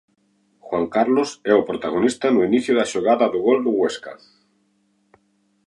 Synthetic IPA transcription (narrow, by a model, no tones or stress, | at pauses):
xwaŋkaɾlosɛopɾot̪aɣ̞onist̪anuiniθjoðaʃoɣ̞aðaðoɣold̪oɣweska̰